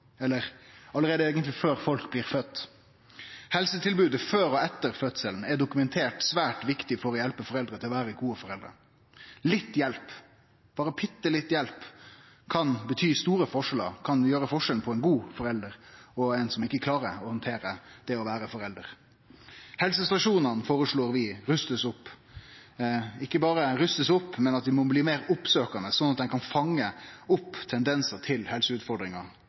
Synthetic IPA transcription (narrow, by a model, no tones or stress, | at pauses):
ɛlːəʁɑləɾʁeːd̪əeːɡənt̪lɪføːɾfɔlkbliːʁfœt̪ː | hɛlsət̪ɪlbʉːd̪əføːɾɔɛt̪ːəɾfœt̪səln̩ɛɖʊkʉmɛnt̪ʰeːʈsʋæːʈʋɪkt̪ɪfɔɾɔjɛlpəfɔɾɛld̪ɾət̪ʰɪlɔʋæːɾəɡuːəfɔɾɛld̪ɾə̰ | lɪt̪ːjɛlp | b̥ɑːɾəpʰɪt̪ːəlɪt̪ːjɛlp | kʰɑnbət̪ʰyːst̪uːɾəfɔʂɛlɑ̰kʰɑnjøːɾəfɔʂɛln̩pʰɔɛɪnɡuːfɔɾɛld̪əɾɔɛɪnsɔmɪkːəkʰlɑːɾəɾɔhɔnt̪ʰeːɾəd̪̥ɛɔʋæːɾəfɔɾɛld̪əɾ | hɛlsəst̪ɑʂuːnənfoːɾəʂɭoːɾʋɪɾʉst̪əsʊpː | ɪkːəbɑːɾəɾʉst̪əsʊpːmɛnɑt̪ʋ̪ɪmɔbliːmeːɾʊpsøːkɑnəsɔnɑt̪̚d̪ɛɪkʰɑnfɑŋːəʊpːt̪ʰɛnd̪ɛnsət̪ʰɪlhɛlsəʉːt̪fɔɾɖ̪ɾɪŋɑ